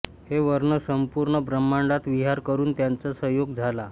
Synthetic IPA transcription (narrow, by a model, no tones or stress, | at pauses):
heʋəɾɳəsəmpuɾɳəbɾəmːaɳɖat̪ʋiɦaɾkəɾuːnt̪jant͡sasəɦjoɡd͡zʱala